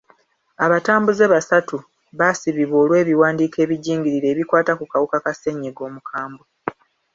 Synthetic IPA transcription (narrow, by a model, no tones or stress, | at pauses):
aβataːmbuze̞βasatu | βasiβiβo̞ːlwe̞ːβiwaːndiːke̞ːβiɟiːŋɡiɾiɾe̞ːβikwaːtakukawukakase̞ɲːeɡo̞ːmukʰaːmbo